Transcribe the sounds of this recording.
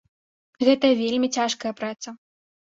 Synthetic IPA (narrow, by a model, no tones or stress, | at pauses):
ɣɛt̪ɐvʲelʲmʲit͡sʲaʂkɐjɐpɾat̪sɐ